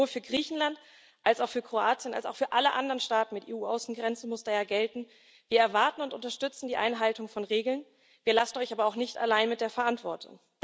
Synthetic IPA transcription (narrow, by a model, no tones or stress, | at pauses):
oːɐfyːɐɡʁiːçn̩lant | ʔalsaʊxfyːɐkʁ̥oaːt͡sjəna̰lsa̰ʊxfyːɐʔaləʔandəʁənʃtaːtn̩mɪtʔeːuːʔaʊsn̩ɡʁɛnt͡səmʊsd̥aːjaːɡɛltn̩ | viːɐɛɐvaɐtn̩ʊntʊntɐʃtʏt͡sn̩diːʔa̰ɪnɦaltʊŋfɔnʁeːɡl̩n | viːɐlasn̩ʔɔʏçʔaːbɐaʊxnɪçta̰laɪnmɪt̚d̥eːɐfɛɐʔantv̥ɔɐtʰʊ̰ŋ